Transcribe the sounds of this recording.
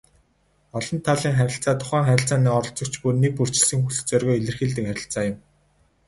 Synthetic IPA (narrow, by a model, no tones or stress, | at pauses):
ɔɮɞ̆nt̪ʰaɮiːŋχæɾʲɪ̆ɬt͡saːt̪ʰʊ̥χæːŋχæɾʲɪ̆ɬt͡saːniːɔɾɞ̆ɬt͡sɞ̆kt͡ɕpurnek̚pur̥t͡ɕɪ̆ɮsɘ̆ŋxuɮɘ̆xt͡sœrɣɔːiɮɘ̆rxiːɮt̪̬ɘ̆kχæɾʲɪ̆ɬt͡saːjʊ̆m